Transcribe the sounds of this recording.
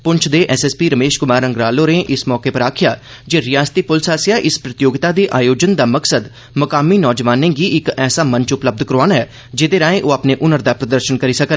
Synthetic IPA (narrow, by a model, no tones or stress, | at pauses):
pʊɲt͡ʃʰd̪eːʔɛːsɛːspiːɾəmeːʃkʊmaːɾə̃ŋɡɾaːloːɾeːʔɪsmɔːkeːpəɾaːkʰɪjaː | d͡ʒeːɾɪjaːst̪iːpʊlsaːsɪjaːʔɪspɾət̪ɪjoːɡɪt̪aːd̪iːʔaːjoːd͡ʒənd̪aːməksəd̪ | məkaːmiːnɔːd͡ʒʋaːnẽːɡiːʔɪkɛːsaːmə̃nt͡ʃʊpləb̚d̪kəɾaːnɛː | d͡ʒed̪eːɾãːẽːʔoːaːpneːʔʊnəɾd̪aːpɾəd̪əɾʃənkəɾiːsəkə